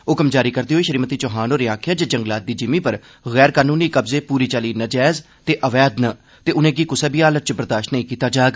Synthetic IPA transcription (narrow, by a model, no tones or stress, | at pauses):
ʊːkəmd͡ʒaːɾiːkəɾd̪iːɦoːiːʃəɾiːmət̪iːt͡ʃoːɦaːnoːɾeaːkʰjaːd͡ʒad͡ʒəŋɡlaːt̪̚d̪iːd͡ʒɪmiːpəɾ | ɣɛːɾkaːnuːniːkəbzeːpuːɾiːt͡ʃaːliːnəd͡ʒɛːz | t̪eːʔəʋɛːd̪nə | t̪eːʊnẽːɡiːkʊseːbiːaːlət͡ʃbəɾd̪aːʃnəĩːkiːt̪aːd͡ʒaːɡ